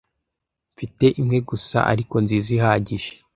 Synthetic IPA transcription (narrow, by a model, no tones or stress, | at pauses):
ɱfite̞ʔimŋe̞ɡusa̰ʔa̰ɾiko̞nziːziɦaɟiʒ̥e̥